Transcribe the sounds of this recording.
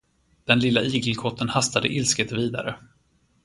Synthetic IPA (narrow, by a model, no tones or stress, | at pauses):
d̪̥ɛnlɪlːaiːɡlkʰɔt̪ʰːənhast̪ad̪ə̰ʔɪlskət̪viːd̪a̰ɾə